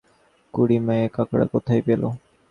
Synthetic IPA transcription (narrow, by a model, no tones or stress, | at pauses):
kuɽimejekakɽa̰kɔt̪ʰajpelo̰